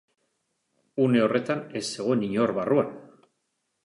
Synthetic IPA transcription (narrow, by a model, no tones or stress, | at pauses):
une̞o̞re̞t̪ane̞se̞ɣ̞o̞niɲoɾβaruan